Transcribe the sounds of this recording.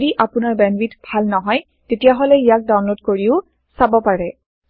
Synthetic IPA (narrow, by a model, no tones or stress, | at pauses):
diʔapʊnaɹbɛnbitb̥ʱalnɔɦɔj | tetijaɦɔlɛijak̚dawnlodkoɹiʊ | sabɔpaɹɛ